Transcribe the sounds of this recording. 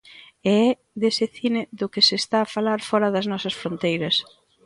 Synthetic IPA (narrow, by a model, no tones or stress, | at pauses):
ɛɛ | ðesɪθinɪðʊkɪsest̪aːfalaɾfɔɾɐðɐznɔsɐsfɾont̪ejɾɐs